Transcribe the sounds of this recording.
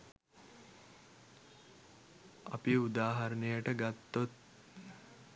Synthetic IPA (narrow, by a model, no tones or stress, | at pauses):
apiud̪aːɦaɾənəjəʈəɡat̪ːot̪̚